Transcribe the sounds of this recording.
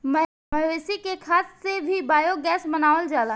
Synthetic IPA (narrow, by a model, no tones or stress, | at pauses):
mə | mɐɦʋeːsikekʰaːssebʱibaːjoɡɛːsmənaːʋəld͡ʒaːlaː